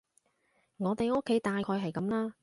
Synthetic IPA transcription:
ŋɔː˨˧t̪e˨jo˥kʰːe˨˥jt̪aː˨jkʰɔː˧jɦɐ˨˩jkɐ˨˥mlaː˥

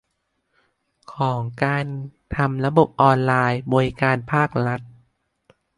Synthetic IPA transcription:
kʰɔː˩˦ŋkaː˧nt̪ʰa˧mɾa˧bo˨˩p̚ʔɔː˧nlaː˧jbɔː˧ɾi˦kaː˧npʰaː˥˩k̚ɾa˦˥t̪̚

